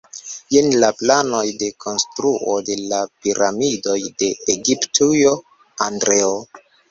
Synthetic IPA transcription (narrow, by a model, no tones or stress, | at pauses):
jenlaplano̞jde̞kʰo̞nstɾuʔo̞de̞lapiɾamido̞jde̞ːɡiptʰujo | andɾeo